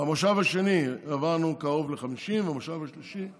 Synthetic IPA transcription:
amaʃavaʃe̞niavanukao̞vleχamiʃimvamaʃavaʃliʃi

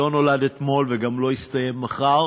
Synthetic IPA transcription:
o̞no̞lad̪et̪mo̞lveɡamlo̞ist̪ɐjemːaχa

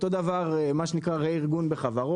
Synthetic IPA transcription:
t̪od̪avaʁemaʃenikʁaʁeiʁɡunbeχavaʁo

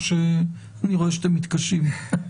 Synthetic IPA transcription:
ʃe | aniʁo̞eʃt̪emit̪kaʃim

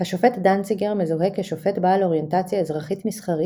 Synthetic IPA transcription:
haʃofe̞tdant͡siɡeʁmezuɦekːeʃo̞fe̞tbalo̞ʁje̞ntat͡sjaezʁaχitmisχaʁi

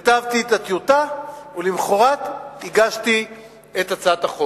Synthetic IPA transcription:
at̪avt̪itat̪jutaulimχoʁat̪iɡaʃti | et̪at͡sataχo

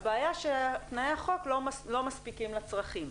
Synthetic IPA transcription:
beajaʃet̪najeaχo̞klolo̞maspikimlat͡sʁaχim

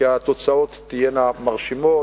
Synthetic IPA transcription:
iat̪o̞t͡sao̞t̪ːijenamaʁʃimo

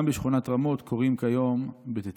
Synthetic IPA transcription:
mbeʃχunat̪ʁamo̞t̪kʰo̞ʁimkajo̞mbet̪et

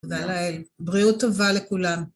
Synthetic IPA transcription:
dalaelbʁiut̪ːovalekulam

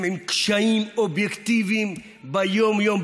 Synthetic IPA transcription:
mimkʃaimobjekt̪ivim | bɐjoːmjoːm

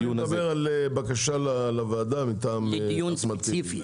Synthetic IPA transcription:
uɐbeʁalbakaʃalalavaːd̪amit̪aːmusmat͡siifi

